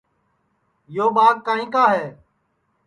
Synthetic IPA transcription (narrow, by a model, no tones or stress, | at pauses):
joːɓaːk̚kːaːĩːkaːɦɛː